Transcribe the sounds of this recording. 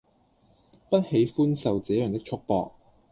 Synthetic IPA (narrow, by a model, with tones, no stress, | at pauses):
pɐ˥t̚he˨˥jfuː˥nsɐ˨wt͡sɛː˨˥jœː˨˩ŋt̪ɪ˥k̚t͡ʃʰʊ˥k̚pɔː˧k̚